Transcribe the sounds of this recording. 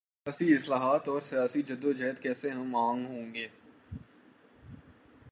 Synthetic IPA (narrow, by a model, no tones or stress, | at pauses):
jaːsiɪslaːɦaːt̪ɔːɾsijaːsid͡ʒɐd̪od͡ʒɛːd̪kɛːseɦɐmãːŋɡɦõːŋɡeː